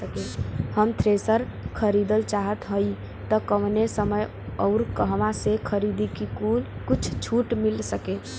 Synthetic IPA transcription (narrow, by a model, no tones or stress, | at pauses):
əkehəmt̪ʰɾesəɾkʰəɾid̪əlt͡ʃaɦət̪ɦəj | t̪ɔkəmnesəməj | əʊɾkəɦʋãsekʰəɾid̪ikikulkut͡ʃʰt͡ʃʰuʈmilsəke